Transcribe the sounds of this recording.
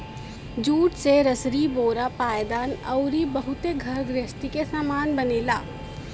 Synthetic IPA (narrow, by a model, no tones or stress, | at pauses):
d͡ʒuːʈseɾəsɾiboːɾapaːjd̪aːnɐʊɾibɐɦʊt̪eɡʱɐɾɡ̪ɾɪst̪ikesaːmaːnbɐneːlaː